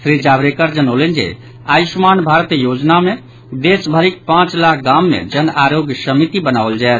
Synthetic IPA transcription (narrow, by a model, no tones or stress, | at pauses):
sɾid͡ʒaːbɾekəɾd͡ʒənəlend͡ʒḛ | aːismaːnbʱaːɾt̪jod͡ʒnamẽ | d̪esbʱəɾik̚pãːt͡ʃlakʰɡaːmːḛ̃d͡ʒənaːɾoɡjsəmit̪ibənaːʋld͡ʒaɛt̪